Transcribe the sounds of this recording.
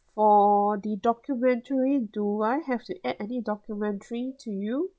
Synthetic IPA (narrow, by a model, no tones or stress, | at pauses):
fɔdidɔkjumɛ̃ntʰəɹiduajɦɛftuʔɛdɛnidɔkjumɛ̃ntəɹitʰuju